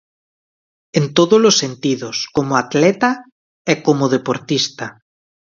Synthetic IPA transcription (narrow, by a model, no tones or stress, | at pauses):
ent̪oðolosːent̪iðoskomoat̪lɛt̪a | ɛkomoðepoɾt̪ist̪a